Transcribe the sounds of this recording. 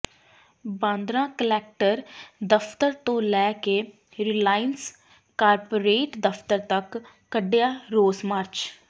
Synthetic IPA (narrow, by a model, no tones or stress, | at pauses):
bãːnd̪ɾãːkəlɛːk̚ʈəɾd̪əpʰt̪əɾt̪õːlɛːkeː | ɾilaːɪəns | kaːɾpoːɾeːʈd̪əpʰt̪əɾt̪əkː | əɖjaːɾoːsmaːɾt͡ʃ